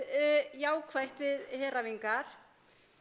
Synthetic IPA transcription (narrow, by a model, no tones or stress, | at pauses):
jaːwkʰvajht̪vɪðhɛːraviŋkaɾ̥